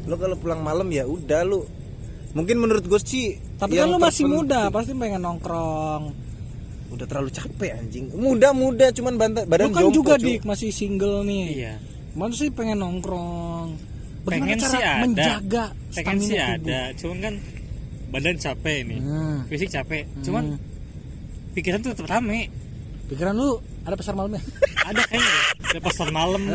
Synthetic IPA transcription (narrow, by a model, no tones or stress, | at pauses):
lokalopulaŋmaləmjaudahlo | muŋk̬ɪnmənuɾʊt̪̚ɡost͡ʃi | t̪apijaalomasɪmudapast̪ipɛŋɛnɔŋkɾɔŋ | udaht̪əɾlalut͡ʃapɛaɲd͡ʒɪŋmudahmudat͡ʃumanbant̪abadaonkaod͡ʒuɡadɪmasɪhsiŋɡəlnɪhija | mat̪ʊsipɛŋɛnːɔŋkɾɔŋ | bəaɡimaŋɛnt͡ʃasɾaaməɲdad͡ʒaɡa | səeŋaɛnsihadbat͡ʃumankan | badant͡ʃapɛnɪ̰fis̬ɪk̚t͡ʃapɛt͡ʃuma | pikiɾant̪ut̪əpt̪amɛ | pikiɾant̪u | adapasarmaləmɲaadakajdapasarmaləm